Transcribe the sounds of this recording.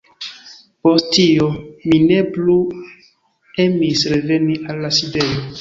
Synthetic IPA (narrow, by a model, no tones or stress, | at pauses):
po̞stiomine̞plu | e̞misɾe̞ve̞niʔalːaside̞jo